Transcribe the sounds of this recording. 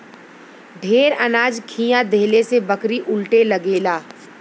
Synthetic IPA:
ɖʱeːɾənaːd͡ʒkʰiːjãd̪ʱeːlesebəkɾiʔʊlʈelɐɡeːlaː

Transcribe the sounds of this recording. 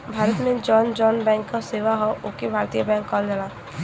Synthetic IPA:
bʱaːɾət̪mẽd͡ʒɔːnd͡ʒɔːnbɛ̃ːŋkːaseːʋaɦoʔʊkebʱaːɾt̪ijəbɛ̃ːŋkːɔːld͡ʒalaː

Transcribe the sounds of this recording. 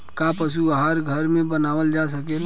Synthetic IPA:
kapəsuaɦaɾɡʱəɾmẽbənaʋəld͡ʒasəkel

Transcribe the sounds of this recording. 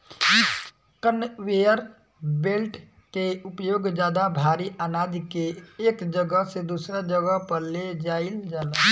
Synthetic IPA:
kənweːjəɾ | beːlʈ | keʊpjoːɡd͡ʒjaːd̪abʱaːɾiʔənaːd͡ʒkeːkd͡ʒəɡəɦsed̪uːsɾad͡ʒəɡəɦpəɾled͡ʒaːɪld͡ʒala

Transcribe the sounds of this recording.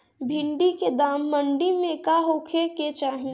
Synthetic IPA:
bʱɪ̃ɳɖiked̪aːmːəɳɖimẽkaɦokʰeket͡ʃaːɦĩ

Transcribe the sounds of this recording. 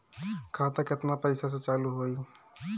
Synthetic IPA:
kʰat̪əket̪napəɪsas̬ẽt͡ʃaluɦoj

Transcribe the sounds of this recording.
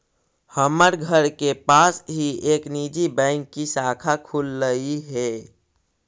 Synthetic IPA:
həməɾɡʱəɾkepasɦieknid͡ʒibə̃ɪŋkːisakʰakʰulːəiɦɛ

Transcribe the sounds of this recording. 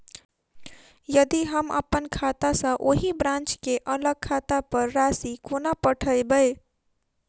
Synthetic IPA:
jəd̪iɦəmə̰pənkʰat̪asə̃ʔoɦibɾãnt͡ʃkeʔələɡ̚kʰat̪apəɾːasikonapəʈʰəjbəj

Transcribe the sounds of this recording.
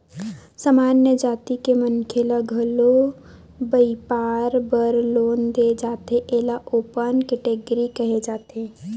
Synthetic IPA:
səmaːnjəd͡ʒaːt̪ikemənkʰelaɡʱɐlo | bəipaːɾbəɾloːnd̪ed͡ʒaːt̪eʔeːlaʔoːpənkeʈeːɡəɾikəɦed͡ʒaːt̪eː

